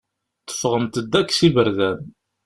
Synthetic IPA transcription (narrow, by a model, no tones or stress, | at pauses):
t̪ːə̥fʁəmt̪əd̪ːækːsibəɾðæn